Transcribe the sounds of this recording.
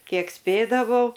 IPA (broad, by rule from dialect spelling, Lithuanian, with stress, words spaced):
ˈkʲiɛk ˈsʲpʲeːdɐʋɐʊ